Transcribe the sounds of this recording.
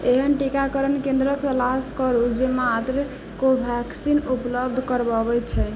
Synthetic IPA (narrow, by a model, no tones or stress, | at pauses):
eɦənʈikakəɾənkẽnd̪ɾəkt̪əlaskəɾud͡ʒemat̪ɾə | kobʱaksinupləb̚d̪ʱkəɾbəbɛt͡ʃʰɛ